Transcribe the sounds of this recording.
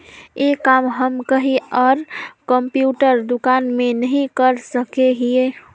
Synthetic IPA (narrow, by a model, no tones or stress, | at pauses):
jeːkaːmɦəmkəɦiɔːɾkə̃mpjuːʈəɾd̪ʊkaːnmẽnəɦĩkəɾsəkeɦieː